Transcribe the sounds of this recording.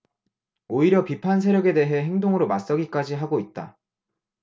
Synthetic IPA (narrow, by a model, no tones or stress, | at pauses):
oiɾjʌpipʰans̬ʰeɾjʌɡe̞de̞ɦe̞ɦe̞ŋdoŋɯɾomas͈ʌɡik͈ad͡ʑiɦaɡoit̚t͈a̰